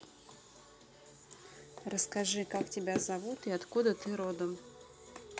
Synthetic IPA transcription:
rəskɐʐɨkaktʲɪbʲazɐvut̪iɐt̪kud̪ət̪ɨɾod̪əm

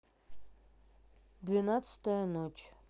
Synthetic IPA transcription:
d̪vʲɪnat̪sɨ̥t̪əjənot͡ʃ

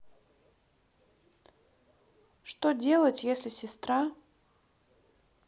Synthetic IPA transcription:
ʂt̪odʲelˠətʲjesʲlʲɪsʲɪst̪ɾa

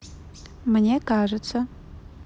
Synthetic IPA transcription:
mɨnʲekaʐɨt͡sʰɐ

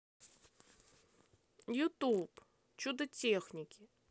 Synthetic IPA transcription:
jut̪up | t͡ʃud̪ɐtʲexnʲikʲɪ

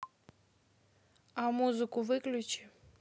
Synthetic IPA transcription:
amuzɨkʊvɨklʲut͡ɕɪ

